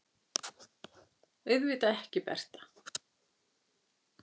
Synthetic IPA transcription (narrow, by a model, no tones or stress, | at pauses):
ʏɥðviːt̪aɛhcɪpɛ̰r̥t̪ḁ